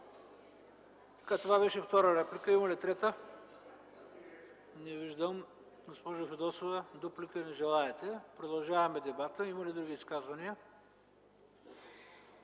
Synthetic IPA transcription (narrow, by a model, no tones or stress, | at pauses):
t̪ɐ̥kat̪ovabɛʃɛft̪ɔɾəɾɛplikəimɐlit̪ɾɛt̪ə | nɛviʒd̪əm | ɡospɔʒofɛd̪ɔsovɛd̪ɔplikənɛʒɛlˠaɛt̪ɛpɾod̪ɐlˠʒavɐmɛd̪ɛbat̪əimɐlid̪ɾuɡʲiːskazvɐniə